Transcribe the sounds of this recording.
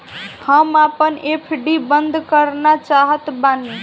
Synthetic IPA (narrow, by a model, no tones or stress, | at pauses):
həmapənʔepʰɖibənd̪ʱkəɾnat͡ʃaɦət̪bani